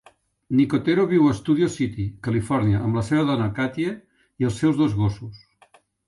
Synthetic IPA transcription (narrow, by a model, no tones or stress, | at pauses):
nikot̪eɾoβiwəst̪uð̞ijosit̪ikəlifɔɾniəʔəmləseβ̞əðɔnəkat̪je | iəlˠsɛwzðozɣosus